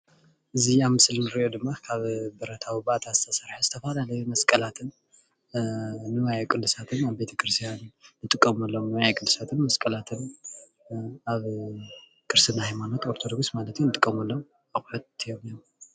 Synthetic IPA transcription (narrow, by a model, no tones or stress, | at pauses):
ʔɨziaβmɨsɨlnɨɾiʔod̪ɨmːakʰaβbɐɾɐt̪ʰawibat̪ʰazɨsʰɐsɐɾħuzɨt̪ʰɐfalalɐjumɐskʼɐlat̪ʰɨn | nɨwajakʼɨlːɨsat̪ʰɨnaβbe̞t̪ʰɐkʰʼɨɾɨst̪ʰjanːɨt̪ʼɨkʼːɐmɐlːomojajkʼɨlːɨsat̪ʰɨnmɐskʼɐlat̪ʰɨn | aβ | kʰʼɨɾsɨnahajmanot̪o̞ɾt̪ʰod̪o̞ɡsmalɐt̪jonɨt̪ʼɨkʼːɐmɐlːom | aɣħut̪ijomijom